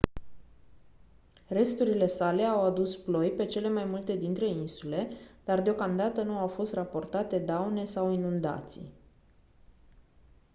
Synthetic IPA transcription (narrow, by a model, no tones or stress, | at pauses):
re̞st̪uɾile̞sale̞awad̪usplo̞jpe̞t͡ʃe̞le̞majmult̪e̞d̪int̪ɾe̞insule̞d̪̥ard̪eo̞kamd̪at̪ənuawfo̞st̪rapo̞rt̪at̪e̞d̪awne̞sawinund̪a̰t̪sḭ